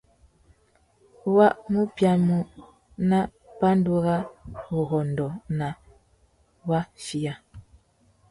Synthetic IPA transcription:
wa˦ʔmu˦pja˦mu˦ | na˦ | pa˦n˦du˦ɣa˦ɣu˨ɣɔ˨n˨dɔ˨na˨ | wa˦ʃi˦ja˦

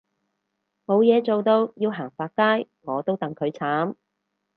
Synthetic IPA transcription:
mo˨˧wjɛː˨˧t͡so˨wt̪o˧wjiː˧wɦaː˨˩ŋfaː˧t̚kaː˥j | ŋɔː˨˧t̪o˥wt̪ɐ˨ŋkʰɵ˨˧˥ɥt͡sʰaː˨˥m

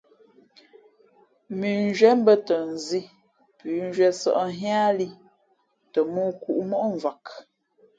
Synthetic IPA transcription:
mi˨n˦d͡ʒɥɛ˦m˦bə˦tə˨n˨zi˦ | pʉ˨˦n˦d͡ʒɥɛ˦sə̰˨ʔɦa˦li˦ | tə˨mu˦ku˦˨ʔmɔ˦ʔɱ˨va˨k

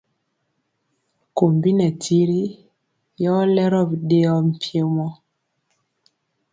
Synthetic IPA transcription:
ko˨mbi˦nɛ˨tʰi˦ɾi˦ | jɔ˦lɛ˦ɾɔ˦˨bɗe˦ɔ˦m̩˨pje˦mɔ˦

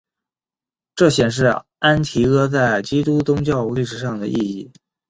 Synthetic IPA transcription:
ʈ͡ʂɤ˥˩ɕjɛ˨˩nʂ̬ɻ̩˥˩ | a˥nt̪ʰi˧˥ɤ˥t͡sa˥˩ɪt͡ɕi˥t̪u˥t͡sʊ˥ŋt͡ɕjɑ˥˧ʊu˧li˥˩ʂɻ̩˨˩ʂɑ˥˩ŋd̪ə̰˩ʔi˥˧i˥˩

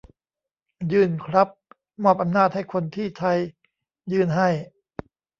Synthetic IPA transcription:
jɯː˧˩nkʰɾa˦˥p̚ | mɔː˥˩p̚ʔa˧mnaː˥˩t̪̚ha˥˩jkʰo˧nt̪ʰiː˥˩t͡ɕ̪ʰa˧j | jɯː˧nɦa˥˩j

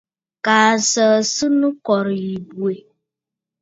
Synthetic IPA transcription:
kaː˨sə˨su˦nʊ̃˦kɔ˨ɾi˨i˨bu˨e˨

